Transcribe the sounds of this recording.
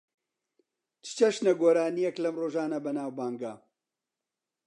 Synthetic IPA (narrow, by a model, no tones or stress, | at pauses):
t͡ʃɨ̥t͡ʃɐʃnɐɡoːɾaːnijɛklɐmroːʒaːnɐbɐnaːwbaːŋɡɐ